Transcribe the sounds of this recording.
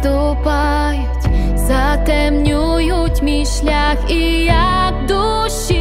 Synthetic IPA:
t̪u | pa | jɔt͡ɕ | zat̪ɛmɲu | jut͡ɕmʲiɕlʲaxi | ja | kd̪u | ɕi

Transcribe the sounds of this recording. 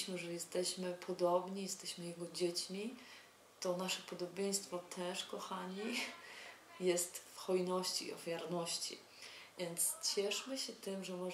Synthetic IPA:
mɘʐɛjɛst̪ɛɕmɘpʰɔd̪ɔbɲijɛst̪ɛɕmɘjɛɡɔd͡ʑet͡ɕmʲi | t̪ɔnaʂɛpɔd̪ɔbʲjẽj̃st̪fɔt̪ʰɛʂkɔxaɲi | jɛst̪fxɔjnɔɕt͡ɕḭːɔ̰fʲjaɾnɔɕt͡ɕḭ | vʲjɛnt̪st͡ɕɛʂmɘɕɛt̪ɘmʐɛmɔ

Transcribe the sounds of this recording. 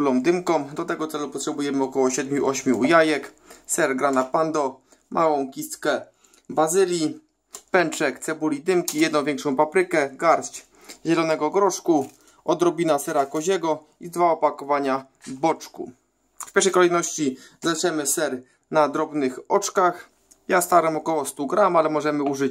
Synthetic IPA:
lɔwd̪ɘmkɔmd̪ɔt̪ɛɡɔt̪sɛlupɔt̪ʂɛbujɛmɘɔkɔwɔɕɛd̪mʲjuʔɔɕmʲjujajɛk | sɛɾɡɾanapand̪ɔ | mʔawɔ̃w̃kʲist̪kɛ | bazɘlʲji | pɛnt͡ʂɛkt̪sɛbulʲid̪ɘmkʲijɛd̪nɔ̃w̃vʲjɛŋkʂɔ̃w̃papɾɘkɛɡaɾst͡ɕ | ʑɛlɔnɛɡɔɡɾɔʂku | ɔd̪ɾɔbʲinasɛɾakɔʑɛɡɔ | izd̪vaɔpakɔvaɲa | bɔt͡ʂkṵ | fpʲɛɾʂ̬ɛjkɔlɛjnɔɕt͡ɕi | zaʂɛmɘsɛɾ | nad̪ɾɔbnɘxɔt͡ʂkax | jast̪aɾɛmɔkɔwɔst̪uɡɾamalɛmɔʐɛmɘuʐɘt͡ɕ

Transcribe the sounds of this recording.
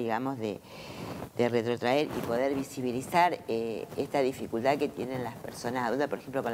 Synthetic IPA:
iɣamo̞zðḛ | ðeret̪ɾo̞t̪ɾaeɾḭpo̞ðeɾβisiβilisaɾeest̪aðifikult̪aðke̞t̪je̞nẽnlaspe̞̰ɾso̞nasaðult̪apo̞ɾexe̞mplo̞ko

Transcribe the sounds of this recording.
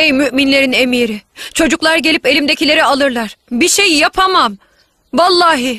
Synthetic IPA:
ejmyʔminlʲe̞ɾine̞miːɾit͡ʃʰo̞d͡ʒuklˠaɾɟe̞lʲipe̞lʲimd̪e̞cʰilʲe̞ɾɛalˠɯɾlˠaɾ̥biʃe̞jjapʰamam | valˠːaːɦɯ

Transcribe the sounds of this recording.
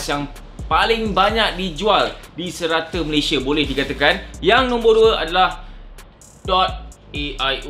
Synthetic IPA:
sjaŋ | palɪŋbaɲak̚did͡ʒualdisəɾat̪əməlesiabolɛhdikat̪akanjaŋnɔ̃mboduəʔadalah | dɔt̪̚ | eʔaj

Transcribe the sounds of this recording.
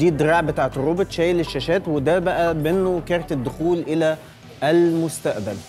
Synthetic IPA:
iːd̪ɾɑːʕbet̪aːʕt̪rˤːobet̪ʃæːjleʃːæʃæːt̪wed̪æbæʔæbenːokɑɾˤt̪ed̪ːʊxuːlʔɪlæ | ælmʊst̪æʔbæl

